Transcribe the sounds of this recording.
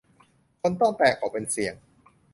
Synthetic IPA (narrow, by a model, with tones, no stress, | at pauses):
kʰo˧nt̪ɔ˥˩ŋp̪ɛː˨˩kʰːɔː˨˩pe˧nsi˨˩əŋ